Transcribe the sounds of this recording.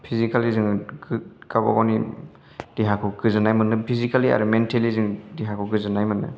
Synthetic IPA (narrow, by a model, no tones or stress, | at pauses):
pʰizikalizɯŋ | kaba̰ɡawni | d̥iɦakʰuɡɯzɯnajmɯnɯpʰizikalia̰ɾumentʰelizɯŋdiɦakʰɔɡɯzɯnajmɯnɯ̰